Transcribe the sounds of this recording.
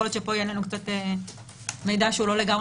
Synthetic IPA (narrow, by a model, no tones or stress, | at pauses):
olot̪ʃepojenenukt͡sat̪e | mejd̪aʃeuloleɡam